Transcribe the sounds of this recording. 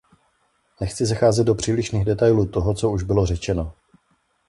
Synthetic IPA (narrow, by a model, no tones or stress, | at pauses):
nɛxt͡sɪzaxaːzɛd̪̚dopr̝̥iːlɪʃniːɣdɛt̪ajluːt̪oɦo̞t͡so̞uʒbɪlo̞rɛt͡ʃɛno